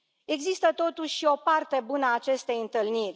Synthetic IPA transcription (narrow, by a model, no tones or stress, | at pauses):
e̞ɡzist̪ət̪o̞t̪uʃʲʃio̞part̪e̞bunəaːt͡ʃe̞st̪e̞jɨnt̪ɨlnirʲ